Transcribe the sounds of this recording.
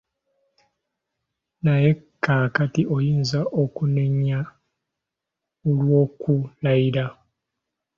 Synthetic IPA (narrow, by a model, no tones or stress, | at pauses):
naje̞kːaːkatiʔojiːnzaʔokuneɲːa | olwo̞ːkulaiɾa